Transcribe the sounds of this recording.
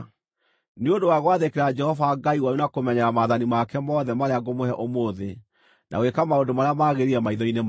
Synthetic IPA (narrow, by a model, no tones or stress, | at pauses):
neondowaɣwaðekeɾad͡ʒɛhɔvaɡaiwaɾunakomɛɲɛɾamaːðanimakɛmɔðɛmaɾeaɡomoɦɛʔomoðe | nʔa̰wekamaondomaɾeamaːɣeɾiɾɛmaiðɔinem